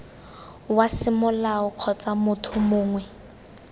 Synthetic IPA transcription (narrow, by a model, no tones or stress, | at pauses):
wasɪmʊlaʊq͡χʰɔt͡sʼamʊtʰʊmʊːŋwɛ